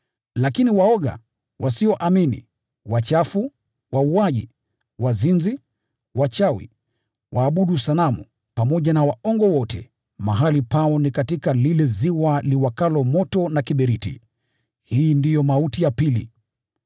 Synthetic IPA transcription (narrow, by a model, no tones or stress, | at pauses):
lakiniwaɔɠa̰ | wʔasiɔʔaminḭ | wat͡ʃafu | wauaʄḭ | wazinzi | wat͡ʃawḭ | wʔaːɓuɗusalamṵ | pamɔʄanawaʔɔŋɡɔwɔtʰɛ̰ | maɦalipaɔnikatikalilɛziwaliwakalɔmɔtɔnakiɓɛɾitḭ | hiːndijɔmautijapilḭ